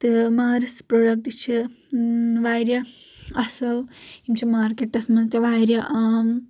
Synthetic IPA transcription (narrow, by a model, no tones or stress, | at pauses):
t̪ɨmaːɾispɾoːɖɐk̚ʈit͡ʃʰi | ʋaːjɾjɐ | ɐsɐlimt͡ʃʰimaːɾkeʈːɐsmɐnt̪ɐʋaːjɾjɐ